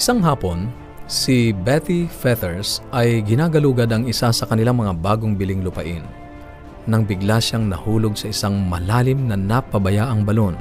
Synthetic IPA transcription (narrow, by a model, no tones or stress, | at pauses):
ɪ̥saŋɦaːpo̞n | sɪbɛt̪ifɛd̪ɛɹsʔɐjɡɪnaɡɐluːɡɐd̪ɐŋɪsasɐkɐnɪlaŋmɐŋabaːɡoŋbɪlɪŋlʊpɐʔɪnː | ɐŋbɪɡlaʃaŋnɐ̰huːloɡ̚sɐʔɪsaŋmɐlaːlɪmnɐnɐpɐbɐjaːʔɐŋbɐlo̞n